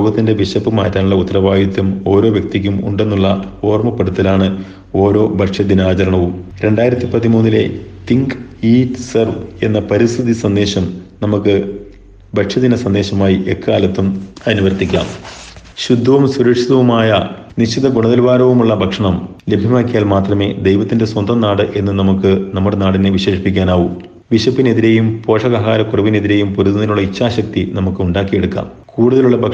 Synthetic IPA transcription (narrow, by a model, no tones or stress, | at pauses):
oːɡɐt̪ːinde̞ʋiɕɐpːɨmaːtːaːnuɭːɐut̪ːɐrɐʋaːjit̪ːumo̞ːɾo̞ːʋjɐk̚t̪ik̬ʲːumṵɳɖe̞nːuɭːɐo̞ːrmɐpːɐɽut̪ːɐlaːɳɨ | o̞ːɾo̞ːbʱɐʈʂɐd̪inaːt͡ɕɐɾɐɳɐʋumɾe̞ɳɖaːjiɾɐt̪ːipɐðimuːnːile̞̰t̪iŋɡiːtsɐrʋe̞nːɐpɐɾist̪ʰiðisɐnd̪e̞ːɕɐmnɐmukːɨ | bʱɐʈʂɐd̪inɐsɐnd̪e̞ːɕɐmaːjiʔekːaːlɐt̪ːumɐnuʋɐrt̪ikʲːa̰ːm | ɕud̪ʱːɐʋɐmsuɾɐkʂiðɐʋumaːjɐnit͡ɕːiðɐɡuɳɐðɐlʋaːɾɐʋumuɭːɐbʱɐkʂɐɳɐmle̞bʱjɐmaːkːijaːlmaːt̪rɐme̞ːd̪ejʋɐt̪ːinde̞swɐnd̪ʱɐmnaːɽɨʔe̞nːɨnɐmukːɨnɐmːuɽe̞naːɽineʋiɕeːʂipikʲːaːnaːʋum | ʋiɕɐpːine̞ðiɾe̞jumpo̞ːʂɐɣɐɦaːɾɐkurɐʋine̞ðiɾe̞jumpuɾuðnɐðɐluɭːɐit͡ɕːaːɕɐk̚t̪inɐmukːɨuɳɖaːkːije̞ɽukːa̰ːmkuːɽuðɐluɭːɐbʱɐ